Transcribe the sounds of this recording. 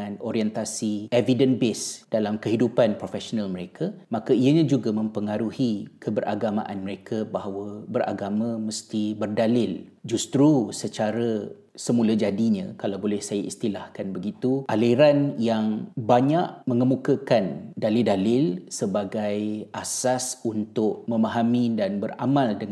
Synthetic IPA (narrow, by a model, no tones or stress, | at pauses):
anoɾiɛnt̪asievidənbesd̥alamkəɦidupanpɾofɛsonãlməɾekʰamãkaiəɲãd͡ʒuɡamə̃mpəŋaɾuhikəbəɾʔa̰ɡamã̰ʔa̰nməɾekʰabaɦawəbəɾʔa̰ɡamãməst̪ibərdalɪld͡ʒust̪ɾusət͡ʃaɾə | səmũlad͡ʒadiɲãkalawbolɛhsajaist̪ilahkanbəɡit̪uʔaliɾanjaŋbaɲaʔmə̃ŋəmukakandalɪldalɪlsəbaɡajʔasasunt̪ʊʔmə̃maɦamĩdanbəra̰mãldəŋ